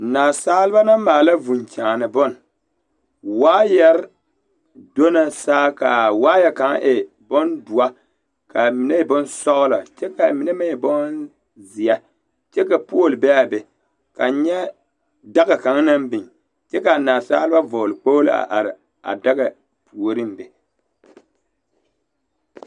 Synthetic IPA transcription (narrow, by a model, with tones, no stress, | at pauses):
naː˨saː˦lɨ˦ba˦na˦maː˨la˦vu˨n˨t͡ʃaː˨nɨ˨bɔ˦n˨ | waː˦jɛ˦ɾɪ˦ | do˦na˨saː˦ka˨waː˦jɛ˦˨ka˨˦ŋ˦ʔɪ˨ | bɔ˦ndu˨a˦ | ka˨mi˨nɛ˦˨bɔ˦nsɔ˦ɣʊ˦la̰˨t͡ʃɛ˦ka˨mi˨nɛ˦ma˦i˨bɔ˦ | zi˨a˦ | t͡ʃɛ˦ka˨pu˦o˦˨lɨ˨bɛ˦a˨bɛ˨ | ka˨ɲɛ˦ | da˦ɡa˨ka˨ŋ˦na˦mbɪ˨ŋ | t͡ʃɛ˦ka˨naː˨sa̰ː˦lɨ˦ba˦vo˨lɨ˨k͡po˦la̰˨ʔa̰˨ɾɪ˨ | a̰˨da˦ɡa˨ | pʰu˨o˨ɾɨ˦m˦bɛ˨